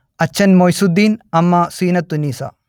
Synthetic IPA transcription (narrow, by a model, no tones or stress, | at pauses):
ɐt͡ʃʰːɐnmɔjsud̪inɐmasinɐt̪unisa̰